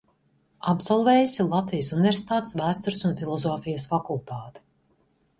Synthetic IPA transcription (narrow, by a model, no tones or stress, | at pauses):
abzɔlˠvɛːjusilˠat̪vijsunivʲɛɾsʲi̥t̪aːt̪svæːst̪uɾsunfilˠɔzɔːfijəsfakulˠt̪aːt̪i̥